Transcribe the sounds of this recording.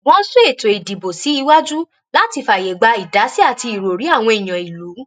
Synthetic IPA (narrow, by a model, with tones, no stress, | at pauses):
wɔ̃˨˦n̩˦su˦e˦˨to˨i˨di˨bo˨si˨˦i˧wa˦d͡ʒu˦ | la˦ti˧fa˨je˨ɡ͡ba˧i˨da˨˦si˦a˦˨ti˧i˨ɾo˨ɾi˨˦a˦˨w̃ɔ̃˧i˨j̃ã˨i˨lu˨˦